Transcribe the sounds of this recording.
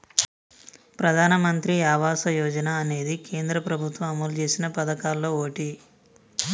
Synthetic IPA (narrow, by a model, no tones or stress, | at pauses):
pɾɐd̪ʱaːnɐmɐnt̪ɾiaːʋaːsɐjɔːd͡ʒɐnaːne̞ːd̪ike̞ːnd̪ɾɐpɾɐbʱut̪ʋɐmɐmɐlt͡ʃe̞ːsinɐpɐd̪ɐkaːlːo̞ːoːʈi